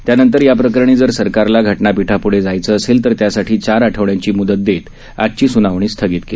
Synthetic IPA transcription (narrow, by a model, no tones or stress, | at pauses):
t̪janənt̪əɾjapɾəkəɾəɳ̃iːd͡zəɾsəɾkaɾlaɡʱəʈnapiʈʰapuɽ̤ed͡zajt͡səːselt̪əɾt̪jasaʈʰiːt͡ɕaɾaʈʰəʋɳjaɲt͡ɕiːmud̪ət̪̚d̪et̪ | a̰t̚t͡ɕiːsunaʋɳ̃iːst̪ʰəɡiːt̪ke